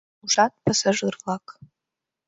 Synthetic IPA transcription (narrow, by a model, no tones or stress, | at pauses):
uʂatʼpʰasaʒɨrlakʼ